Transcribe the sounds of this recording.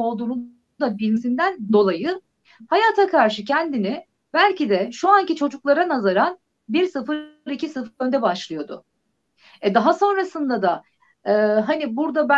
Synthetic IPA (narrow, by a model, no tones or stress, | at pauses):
o̞lˠd̪uːnu | d̪abilʲimsind̪ænd̪o̞lˠajɯ | hajaːt̪ʰakʰaɾʃɯcʰɛnd̪inɪ | bælʲcid̪ɛʃuancit͡ʃʰo̞d͡ʒuklˠaɾanazaɾan | biɾsɯfɯɾɾicisɯfɟø̞nd̪ɛbaʃlˠɯjo̞d̪ʊ̰ | ɛd̪aɦaso̞nɾasɯnd̪ad̪a | ɯːɦanibuɾd̪abæ